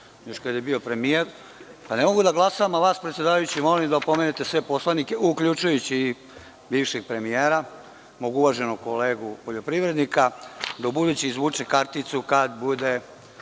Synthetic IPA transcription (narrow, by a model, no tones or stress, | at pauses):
jo̞ʃkad̪jebio̞pɾe̞mijeɾ | panemo̞ɡud̪aɡlˠasaʋamaʋaːspɾet̪sjed̪aːʋajut͡ɕimo̞lelimd̪aopo̞me̞net̪e̞sʋe̞po̞slˠanikeukʎut͡ʃujut͡ɕiː | biːʋʃeɡ̚pɾe̞mijeːɾa | moɡuʋaʒe̞nokoleːɡupoʎo̞pɾiʋɾe̞d̪nikad̪aubud̪ut͡ɕiizʋuːt͡ʂekaɾt̪it̪sukad̪bud̪e